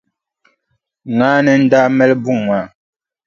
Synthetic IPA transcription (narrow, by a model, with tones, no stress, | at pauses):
ŋa˨˦nɛ˨n̩˦da˦mɛ˦lbu˦˨ŋŋwa˨